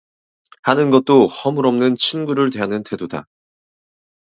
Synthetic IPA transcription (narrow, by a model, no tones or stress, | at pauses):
hanɯnɡʌt̚t͈ohʌmɯɾʌmnɯnt͡ɕʰinɡuɾɯɭtwe̞ɦanɯntʰe̞doda̰